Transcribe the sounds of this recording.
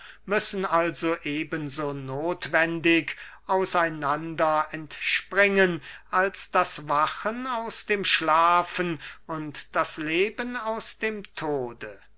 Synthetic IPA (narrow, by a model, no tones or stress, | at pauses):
mʏsn̩alzoʔeːbənzoːnoːtv̥ɛndɪkʔaʊsaɪnandɐɛntʃpʁɪŋənʔalsd̥asvaχənaʊsd̥eːmʃlaːfənʊntd̥asleːbənaʊsd̥eːmtʰoːdə